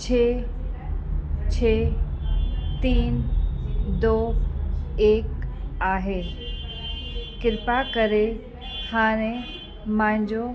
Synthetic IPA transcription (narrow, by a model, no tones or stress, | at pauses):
t͡ɕʰeː | t͡ɕʰeː | t̪iːn | d̪oː | eːkaːɦeː | kɪɾpakəɾe | haːɽ̃ẽ | mãːɪ̃ɲd͡ʑo